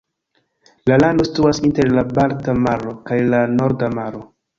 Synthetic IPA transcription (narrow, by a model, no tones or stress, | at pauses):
lalando̞si̥tuasinte̞ɾlabaltamaɾo̞kajlano̞ɾdamaɾo̞